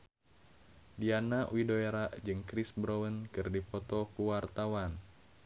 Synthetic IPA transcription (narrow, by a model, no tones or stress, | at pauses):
dianaʔwidoeɾaʔd͡ʒɨŋkɾisbɾowənkɨrdipɔt̪ɔkuwart̪awan